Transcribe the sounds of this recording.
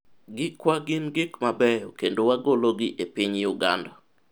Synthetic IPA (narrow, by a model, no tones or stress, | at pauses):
ɡɪkwaɡɪnɡɪkmabɛjɔkendowaɡoloɡɪʔepɪɲjuɡa̰nda